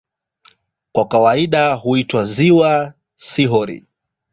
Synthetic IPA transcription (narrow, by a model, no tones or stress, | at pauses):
kwakawaiɗahuitwaziwa | siɦɔɾḭ